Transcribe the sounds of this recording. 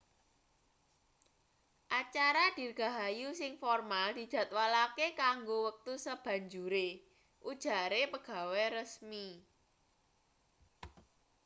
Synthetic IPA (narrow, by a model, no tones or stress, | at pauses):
ʔat͡ʃaɾad̪̥i̤rɡ̥a̤ɦajusɪŋfɔrmald̪̥i̤d̪̥ä̤t̪̚walakekaŋɡowək̚t̪usəb̥ä̤ɲd͡ʒuɾe | ʔud̥ʒ̥a̤ɾepəɡ̥a̤weɾəsmi